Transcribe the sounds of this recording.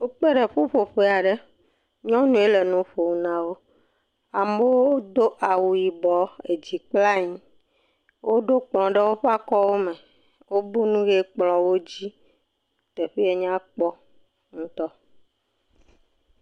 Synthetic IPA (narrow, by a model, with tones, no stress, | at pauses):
wo˦k͡pe˦ɖe˨ɸu˦ɸo˨ɸe˦˨a˨ɖe˦ | ɲɔ̃˦nũ˦e˦le˨nũ˦ɸo˨wu˨nã˨wo˦ | a˨me˦wo˦o˦d̪o˦ʔa˨wu˨ji˨bɔ˨e˨d͡ʑi˨k͡pla˦ɲĩ˦ | wʔo˦ɖo˦k͡plɔ̃˨ɖe˦wo˦ɸa˦kɔ˦wo˦mẽ˨ | wo˦bu˦nũ˦ɣe˦k͡plɔ̃˨wo˦d͡ʑi˦ | t̪e˨ɸi˦e˨ɲã˦k͡pɔ˦ | ŋũ˦t̪ɔ˦